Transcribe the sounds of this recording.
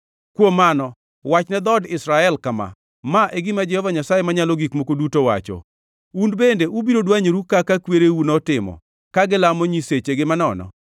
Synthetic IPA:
kwomanɔ | wat͡ʃnɛd̪ɔdɪsɾaɛlkama̰ | maʔeɡɪmad͡ʒɛhɔvaɲasajemaɲaloɡikmokodutowa̰t͡ʃɔ̰ | unbendeʔubiɾodwaɲoɾukakakweɾeunɔtɪmɔ̰ | kaɡɪlamoɲiset͡ʃeɡɪmanɔnɔ̰

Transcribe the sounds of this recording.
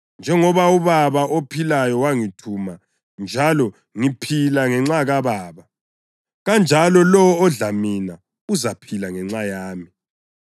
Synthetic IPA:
nd͡ʒʱɛŋɔβauβaβaʔopʰilajɔwaŋitʰuma | nd͡ʒʱalɔ | ŋipʰilaŋɛŋ͡ǁaɣaβaːβa | ɣand͡ʒʱalɔlɔːɮamina | uzapʰilaŋɛŋ͡ǁajaːmi

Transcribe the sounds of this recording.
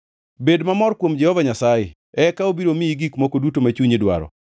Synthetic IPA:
bedmamɔrkwomd͡ʒɛhɔvaɲasajḛ | ɛkaobiɾomiiɡikmokodutomat͡ʃuɲidwa̰ɾɔ̰

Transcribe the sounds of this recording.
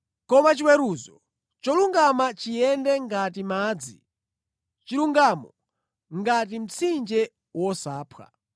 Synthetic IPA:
kɔmat͡ʃiwɛɾuːzɔ | t͡ʃɔluŋɡamat͡ʃijɛndɛŋɡatimaːd͡zi | t͡ʃiluŋɡamɔ | ŋɡat̬im̩t͡sʰind͡ʒɛ | wɔsaːpʰwa̰

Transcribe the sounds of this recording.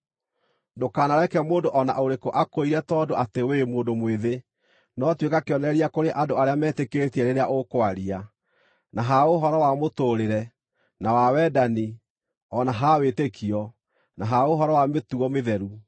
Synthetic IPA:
dokaːnaɾɛkɛmoːndoʔɔna̰ʔoɾekoʔakoiɾɛtɔːdoʔatewemoːndomweðe | nɔtwekakeɔnɛɾiakoɾeʔadoaɾeamɛːtekeɾetiɛɾeɾeaʔokwaɾia | naɦaoɦɔɾɔwamotoːɾeɾɛ | nawawɛdani | ɔnaɦawetekʰiɔ | naɦaoɦɔɾɔwametuɔmeðɛɾu

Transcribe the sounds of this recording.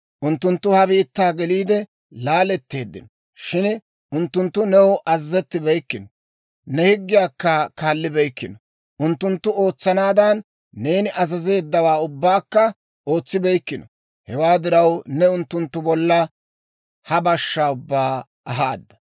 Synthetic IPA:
ʔʊnt̪ːʊnt̪ːʊhɐbiːt̪ːaːɡɛliːd̪ɛ | laːlɛt̪ːe̞ːd̪ːɪ̰nɔ | ʃɪn | ʊnt̪ːʊnt̪ːʊnɛwʔɐzzɛt̪ːɪbɛjkːɪnɔ | nɛhɪɡːɪjaːkːɐkaːlːɪbɛjkːɪnɔ | ʔʊnt̪ːʊnt̪ːʊo̞ːt͡sːɐnaːd̪ɐnː | e̞ːnɪʔɐzɐze̞ːd̪ːɐwaːʊbːaːkːɐ | ʔo̞ːt͡sːɪbɛjkːɪnɔ | hɛwaːd̪ɪɾɐwnɛʊnt̪ːʊnt̪ːʊbɔlːɐ | hɐbɐʃːaːʊbːaː | ʔɐɦaːd̪ːɐ̥

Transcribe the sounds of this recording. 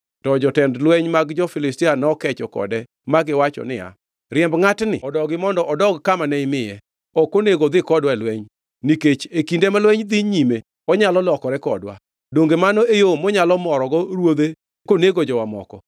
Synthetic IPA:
tɔd͡ʒɔtɛndlwɛɲmaɡd͡ʒɔfɪlɪstɪanɔkɛt͡ʃɔkɔ̰dɛ | maɡɪwat͡ʃɔ̰nɪja̰ | ɾɪɛmbŋatnɪ̰ɔdɔɡɪmɔndɔʔɔdɔɡkamanɛɪmɪjɛ | ɔkoneɡod̪ɪkɔdwalwɛɲ | niket͡ʃekindemalwɛɲd̪iɲime | ɔɲalɔlɔkɔɾɛkɔ̰dwa̰ | doŋɡemanɔejomɔɲalɔmɔɾɔɡɔɾwod̪e | koneɡod͡ʒɔwamɔ̰kɔ̰

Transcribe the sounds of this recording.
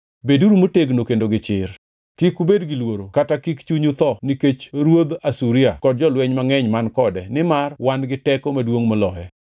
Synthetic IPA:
beduɾumoteɡnokendoɡɪt͡ʃɪr | kikubedɡɪlwoɾokatakikt͡ʃuɲut̪ɔniket͡ʃɾwod̪asuɾiakɔd̚d͡ʒɔlwɛɲmaŋɛɲmankɔdɛnɪmarwanɡɪtɛkomadwoŋmɔlɔhɛ

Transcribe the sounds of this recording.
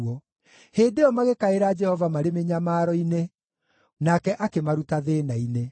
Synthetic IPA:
ɔ | heːdeɔmaɣekaeɾaːd͡ʒɛhɔvamaɾemeɲamaːɾɔine | nakɛʔakemaɾutaðeːnaine

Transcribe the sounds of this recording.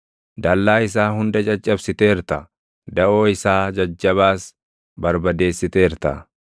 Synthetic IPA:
d̪ɐlːaːɪs̬aːɦʊnd̪ɐd͡ʒʼɐd͡ʒʼːɐbsɪt̪e̞ːɪɾt̪ɐ | d̪ɐʔo̞ːɪsaːd͡ʒɐd͡ʒːɐβaːs | bɐɾbɐd̪e̞ːsːɪt̪e̞ːɪɾt̪ɐ̰

